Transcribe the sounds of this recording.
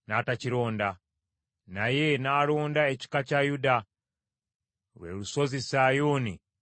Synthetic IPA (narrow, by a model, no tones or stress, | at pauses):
naːtaciɾo̞ːnda | naje̞naːloːndaeci̥kacajuda | ɾwḛːɾuso̞zisaːjoːni